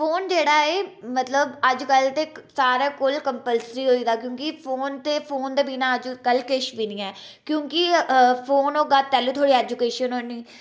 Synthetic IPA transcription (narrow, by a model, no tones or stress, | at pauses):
pʰoːnd͡ʒeːɽaːeːmət̪ləbəd͡ʒkəlt̪eːsaːɾaːkolkəmpəlsɾiːɦoːiːd̪aːkjõːkɪpʰoːnt̪eːpʰoːnd̪eːbiːnaːəd͡ʒkəlkɪʃbiːnĩːɛː | kjõːkɪpʰoːnoːɡapɛːluːt̪ʰoːɽiːɛːd͡ʒʊkeːʃənɦoːniː